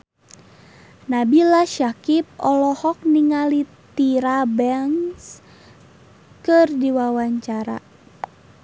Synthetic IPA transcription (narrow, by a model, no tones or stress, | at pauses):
nabilaʃakip̚ɔlɔhɔk̚niŋalit̪iɾabɛŋs | kɨrdiwawaɲt͡ʃaɾa̰